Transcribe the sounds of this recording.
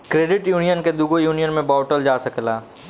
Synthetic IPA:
kɾeːɖɪʈjuːnijənked̪uɡojuːnijənmẽbaːʈəld͡ʒaːsɐklaː

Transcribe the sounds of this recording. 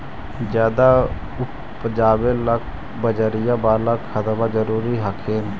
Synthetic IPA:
d͡ʒjaːd̪a | ʊ | pəd͡ʒaːbelək̚ʰ | bəd͡ʒəɾɪjãbaːɾləkxəd̪əbad͡ʒəɾuːɾiɦakʰeːn

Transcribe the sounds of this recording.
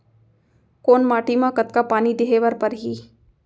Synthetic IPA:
koːnmaːʈimãkət̪kapaːnid̪ɪɦeːʋəɾpəɾɦiː

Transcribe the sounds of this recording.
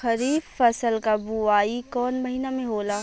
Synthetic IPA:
xɐɾiːbfɐsəlkabuaːikɔːnmɐɦinamẽɦoːlaː

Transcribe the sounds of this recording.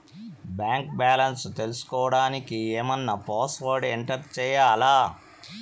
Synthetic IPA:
bjaːŋk̚baːlɐnst̪e̞lusu̥kɔːʋɐɽaːnikieːmɐnːɐpaːsʋoːɾɖeɳʈɐɾt͡ʃɛːjaːlaː

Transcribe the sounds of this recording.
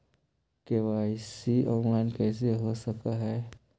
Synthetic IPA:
keʋaːɪsiʔɔ̃ːnlaɪnkɛːs̬eɦosəkaɦɛː

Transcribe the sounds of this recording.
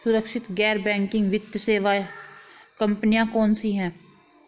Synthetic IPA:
sʊɾəkʃɪt̪ɡɛːɾbɛ̃ːŋkɪ̃ŋɡʋɪt̪jəseːʋa | kə̃mpnijãkɔːnsiɦɛ̃ː

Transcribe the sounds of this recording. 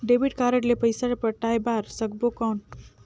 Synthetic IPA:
ɖebiʈkaɾəʈlepəjsaepəɾʈajbaɾsəɡbokawn

